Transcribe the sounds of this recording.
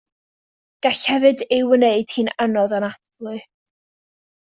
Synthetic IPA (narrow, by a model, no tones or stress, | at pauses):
ɡ̥aɬhɛvɨdɪwəneɨd̥hiːnanɔðanadlˠɨ